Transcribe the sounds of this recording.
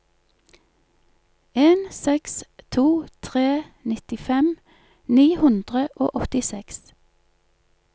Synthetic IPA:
eːnsɛkst̪ʰuːt̪ʰʁeːnɪt̪ɪfɛm | niːhʉnd̪ʁəʔo̰ːʔɔt̪ɪsɛks

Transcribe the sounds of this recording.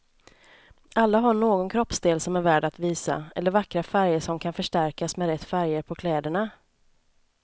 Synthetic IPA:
ʔalːaɦaɳoːɡɔnkʰɾɔpsd̪eːlsɔmæɾvæːɖat̪viːsa̰ɛ̰lːəɾvakɾafæɾjəʂɔmkʰanfœʂʈæɾkasmɛɾɛt̪ːfæɾjəɾpʰɔkʰlɛːd̪əɳa

